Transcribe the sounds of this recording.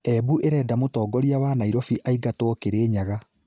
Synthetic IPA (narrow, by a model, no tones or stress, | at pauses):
ɛbuʔeɾɛːdamotɔːɡɔɾiawanaiɾɔfiʔaiɡatwɔɔkeɾeːɲaɣa